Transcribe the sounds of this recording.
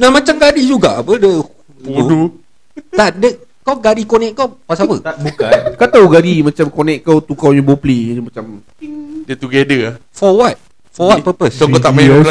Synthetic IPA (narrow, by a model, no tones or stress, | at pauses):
namãt͡ʃamɡadid͡ʒuɡaʔapədə | udu | t̪aʔdə | kawɡadikonɛkkːawpasapəbuakat̪awɡadimat͡ʃamkonɛ̃k̚kːawt̪ukawɲə̃boplimat͡ʃam | dɛt̪uɡedəlafɔwat̚ | fɔwat̚pəpəssokot̪amaa